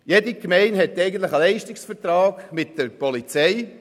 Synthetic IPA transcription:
jedikmɛɪnɦɛtːɛɪɡən̩t̪ləχəlɛɪʃtɪksfəɾtrɑːɡ̥mɪt̚dəɾpɔlit͡sɛɪ

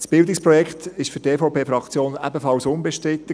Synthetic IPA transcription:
sb̥ɪld̪ɪkspɾɔjɛkχt̪ɪʃfʏɾteːfowpʰeːfɾɑkt͡sjoːnæ̰bəfɑlsʊnbɛʃtɾɪt̪ːə

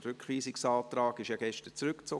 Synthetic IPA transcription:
ɾʏkχʋiːsɪksɑːt̪rɑːɡ̥ɪʃjɑɡ̥ɛʃtət͡sɾʏkt͡so

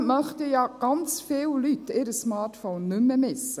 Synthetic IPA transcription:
mœχtijɑːɡ̥ɑnt͡sfɪːllytɪɾəsmɑːtfoːnːʏmːəmɪsːə

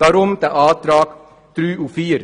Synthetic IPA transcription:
ɑɾɔmt̪əʔɑːt̪ɾɑːk | t̪ɾyːufiːɾ

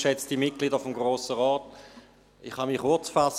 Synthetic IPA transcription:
ʃɛt͡std̥imɪt̚kliːdəfɔmɡʁoːsəʁɔːt | iχhamiχʊɐt͡sfas

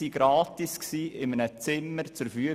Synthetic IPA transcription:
iɡ̥ɾɑːtisksiːʔɪmənət͡sɪməɾt͡sʊɾfy

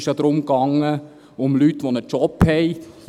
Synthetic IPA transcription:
ʃjɑd̪̥ɾʊmkɑŋːə | ʊmlyt̪ːʋonət͡ʃɔphɛɪ

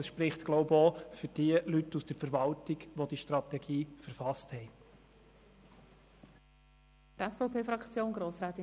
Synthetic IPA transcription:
əsʃpɾɪχtɡ̥loʊboːfʏɾd̥iəlytːusd̥əɾfəɾʋɑltɪɡ̥ʋod̥iʃtrɑt̪ɛɡiːfəɾfɑsthɛɪ | tɛsfɔʊpʰeːfɾɑkt͡sjoːnɡɾoːsɾaːt̪ɪ

